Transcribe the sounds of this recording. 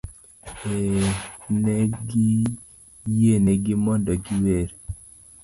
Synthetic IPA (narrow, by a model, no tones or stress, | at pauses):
e | neɡi | jeneɡimɔndɔɡiweɾ